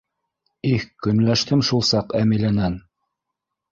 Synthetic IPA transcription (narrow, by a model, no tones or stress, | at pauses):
ihkɵ̆nlæʃt̪ɘmʃulˠsɑqæmilænæn